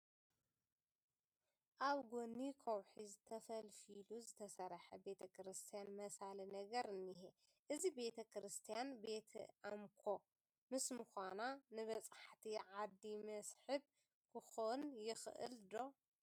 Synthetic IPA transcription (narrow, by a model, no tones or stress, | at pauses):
ʔaβɡonikʰɐwħizɨt̪ʰɐfɐlfiluzɨt̪ʰɐsɐɾħɐbe̞t̪ʰɐkʰɾɨst̪ʰijanmɐsalinɐɡɐɾɨnːiɦe | ʔɨzibe̞t̪ʰɐkɨɾɨst̪ʰijanbe̞t̪ʰʔamkʰo̞ | mɨsmɨxʷananɨβɐt͡sʼaħt̪ʰiʕad̪ːimɐsħɨb | kʰɨxonjɪxʔɨ̰ld̪o̞